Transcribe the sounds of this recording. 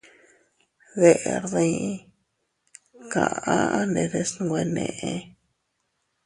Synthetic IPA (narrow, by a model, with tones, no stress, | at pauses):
βe˧˨ʔɾðĩ˧˦ | ka̰˨a˦ne˧d̪e˧sn˧we˧ne˧ʔe˧